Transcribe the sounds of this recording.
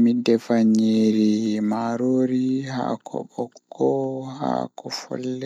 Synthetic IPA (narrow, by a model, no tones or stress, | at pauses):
midɛfaɲeːɾimaːɾoːɾiha̰ːkʰɔ̰ɓɔkːɔha̰kɔfɔ̰lːɛ